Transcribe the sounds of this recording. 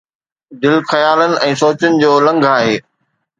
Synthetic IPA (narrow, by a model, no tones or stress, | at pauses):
d̪ɪlxɐjaːlənɪ̆ʔɛ̃ːsoːt͡ɕənɪ̆d͡ʑoːlɐ̃ŋɡʱaːɦeː